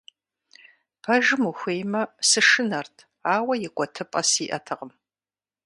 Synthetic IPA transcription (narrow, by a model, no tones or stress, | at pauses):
pʰɐʒɪmuxʷejmɐsɨʂɨnɐrtʰ | aːwɐjɪkʷʼɔtʰɨpʼɐsiːʔɐtʰɨʁəm